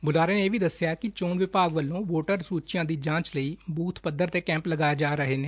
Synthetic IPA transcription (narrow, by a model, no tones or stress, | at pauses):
bʊlaːɾeːneeːʋiːd̪əsːɪjaːkɪt͡ʃoːnʋɪpaːɡʋəlːõːʋoːʈəɾsuːt͡ʃjãːd̪iːd͡ʒãːt͡ʃləiːbuːt̪ʰpəd̪əɾt̪eːkɛ̃ːmpləɡaːjaːd͡ʒaːɾəɦeːneː